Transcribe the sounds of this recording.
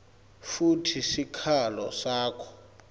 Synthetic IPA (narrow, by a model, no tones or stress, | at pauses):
futʰisikʰalɔsaːkʰɔ̥